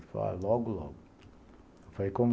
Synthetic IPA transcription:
fala̰lɔɡʊlɔ̰ɡʊ | efalejkõm

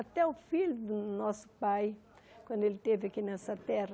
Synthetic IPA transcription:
at̪ɛʊfilʊd̪ʊnɔsʊ̥paj | kwɐ̃nd̪elɪt̪evɪɐkinɛsɐt̪ɛrɐ

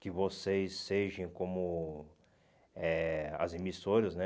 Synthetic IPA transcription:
kɪvosejsːeʒẽj̃kõmʊ | ɛɐ̰zemisoɾɐznɛ

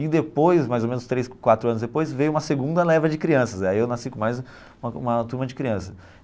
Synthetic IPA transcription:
id̪epojsmajzomẽnʊst̪ɾejskwat̪ɾʊɐ̃nzd̪epojzvejʊũmɐseɡũnd̪ɐlɛvɐd͡ʒɪkɾiɐ̃sɐzaiewnasikõmajz | ũmɐũmɐt̪uɾmɐd͡ʒɪkɾiɐ̃sɐ̥

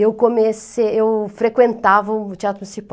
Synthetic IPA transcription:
ewkomeseewfɾekwẽnt̪avɐt͡ʃ̪iat̪ɾʊsip

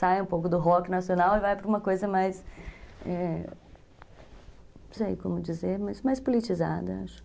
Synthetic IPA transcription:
sajũpowkʊd̪ʊɦɔkɪnɐsionawɪvajpɾɐũmɐkojzɐmajs | ɛ | sejkõmʊd͡ʒizeɾmɐjzmajspolit͡ʃiza̰d̪ɐa̰ʃʊ̥

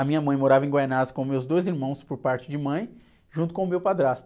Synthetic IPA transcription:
ɐmĩɲɐmɐ̃j̃moɾavɐẽɡwajnazkõmewzd̪ojziɾmɐ̃w̃spoɾpaɾt͡ʃɪd͡ʒɪmɐ̃j̃ | ʒũt̪̬ʊkõʊmewpad̪ɾast̪

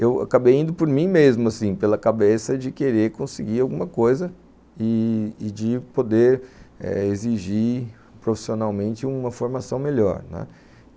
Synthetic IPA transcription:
ewa̰kabejĩnd̪ʊpoɾmĩmezmʊasĩpelɐkabesɐd͡ʒɪkeɾeɾkõsɪɡiawɡũmɐkojzɐ | ɪːd͡ʒɪpod̪eɾɛ̰eziʒi | pɾofi̥sionawmẽnt͡ʃɪũmɐfoɾmasɐ̃w̃meʎɔ̰ɾnɛ̰

